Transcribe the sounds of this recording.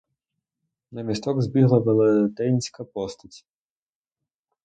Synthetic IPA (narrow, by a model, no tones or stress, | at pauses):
nɐmʲist̪ɔɡzbʲiɦlˠɐʋelˠet̪ɛnʲsʲkɐpɔst̪ɐtʲ